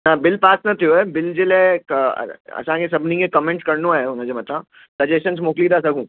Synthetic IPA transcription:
nabɪlpaːsnɐt̪ʰijoɦɛːbɪld͡ʑeːla̰ | ɐ̰sãkʰesɐbʱnikẽkɐmẽːɳʈkɐɾnoaːɦeʊn̤əd͡ʑomɐt̪ʰã | sɐd͡ʑesʃəns̬moːklid̪asɐɡʱũː

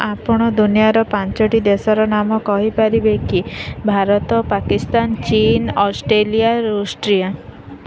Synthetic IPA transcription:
apɔɽ̃ɔd̪unijaɾɔpant͡ʃɔʈid̪esɔɾɔnamɔkɔɦipaɾibekibʱaɾɔt̪ɔpakist̪ant͡ʃinɔsʈɾeliaɾusʈɾia

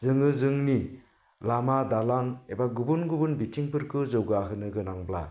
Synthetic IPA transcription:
zɯŋɯzɯŋni | lamadalanebaɡubunɡubɯnbitʰiŋpɯɾkɯzɯwɡaɦɯnɯɡɯnaŋbla

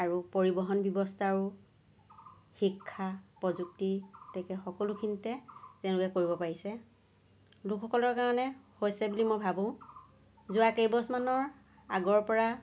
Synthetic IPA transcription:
aɹupoɹibɔɦɔnbjɔbɔstʰaɹu | xikʰːapɹɔzuk̚titɛkɛxɔkɔlukʰinitɛtɛ̃ʊ̃lʊkɛkoɹibɔpaɹisɛ | lukʰːɔkɔlɔɹkaɹɔnɛhojsɛbulimobʱabʊ̃ʊ̃ | zʊakejbɔsmanɔɹ | aɡɔɹpɔɹa

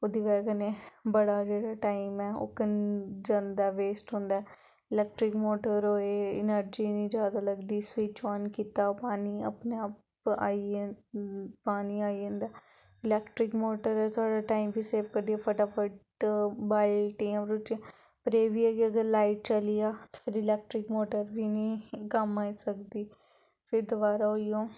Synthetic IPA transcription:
od̪iːʋɛːkənebəɽaːd͡ʒeːɽaːʈaːimɛːo̰ːkənd͡ʒãːnd̪aːʋeːsʈɦõːnd̪aːɛ | ɪlɛːk̚ʈɾɪkmoːʈəɾɦoːeːɪnəɾd͡ʒiːnĩːd͡ʒjaːd̪aːləɡd̪iːɪsʋit͡ʃaːnkiːt̪aːpaːniːə̰pneːaːp | aːi | paːniːaːiə̃nd̪aː | ɪlɛːkʈɾɪkmoːʈəɾɛt̪ʊaːɖaːʈaːimbʱiːseːʋkəɾd̪ijaːpʰəʈaːpʰəʈ | baːlʈiãpəɾʊt͡ʃe | pəɾeːbʱiːəkeəɡəɾlaːɪʈ̚t͡ʃəlɪjaːt̪pʰɪɾɪlɛːk̚ʈɾɪkmoːʈəɾbʱinĩːkəmaːisəkd̪iː | pʰɪɾd̪ʊʋaːɾaɦoijoː

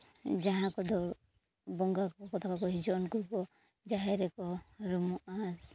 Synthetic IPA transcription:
d͡ʒaɦãkɔd̪ɔ | bɔŋɡakkɔt̪ʰakakɔɦid͡ʒɔnkuɾkɔ | d͡ʒaɦɛɾɛkɔɾumuas

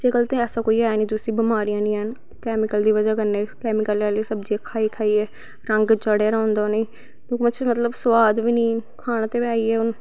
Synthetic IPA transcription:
d͡ʒeːɡəlt̪ẽɛːsaːkoːiːaːniːd̪ʊsiːbɪmaːɾijãːnĩːɦən | kɛːmɪkəld̪iːʋəd͡ʒaːkənːeːkɛːmɪkəlɛːliːsəbd͡ʒikʰaːiːkʰaːiːɛː | ɾə̃ŋɡt͡ʃəɽeːɾãːnd̪aːneː | t̪õːkːmət͡ʃʰːmət̪ləbswaːd̪ʋiːniːkʰaːñãːt̪eːbaːiɛːʊn

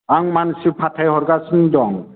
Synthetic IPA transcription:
aŋmansɯpʰatʰajhɔɾɡasɯndɔŋ

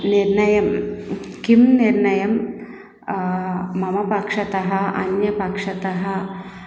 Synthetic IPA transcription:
niɾnɐjɐmkimniɾɳɐjɐm | mɐmɐpɐkʂɐt̪ɐɦɐɐ̰njɐpɐkʂɐt̪ɐɦɐ

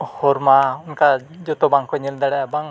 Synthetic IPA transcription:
hɔɾmaunka | d͡ʒɔt̪ɔbaŋkɔɲild̪aɽaabaŋ

